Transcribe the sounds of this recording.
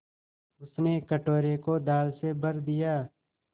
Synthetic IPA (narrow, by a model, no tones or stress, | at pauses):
ʊsnekəʈoːɾekod̪aːlsebəɾd̪ijaː